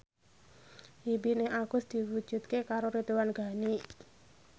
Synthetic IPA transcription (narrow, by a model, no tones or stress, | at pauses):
ibineɦaɡ̥ʊ̤sd̪̥i̤wud̥d͡ʒ̥ṳt̪̚kekaɾoɾid̪uwanɡa̤ni